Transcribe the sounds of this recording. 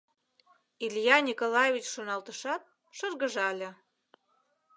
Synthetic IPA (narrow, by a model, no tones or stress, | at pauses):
ilʲjɑnʲikolɑjevʲit͡ɕʃonɑlt̪əʃɑt̪̚ | ʃɤrɣə̆ʒɑlʲĕ